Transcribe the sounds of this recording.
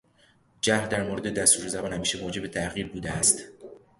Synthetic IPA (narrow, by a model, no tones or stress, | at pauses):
d͡ʒæhd̪æɾmoɾed̪ed̪æst̪uːɾezæbɒːnhæmiːʃemoːd͡ʒe̞be̞t̪ʰæʔɣiːɾbuːd̪eæst̪